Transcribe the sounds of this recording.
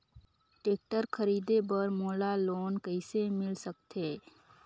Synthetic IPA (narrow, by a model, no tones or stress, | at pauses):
ʈeːk̚ʈəɾkʰəɾiːd̪ebəɾmoːlaloːnkəɪsemɪlsək̚t̪eː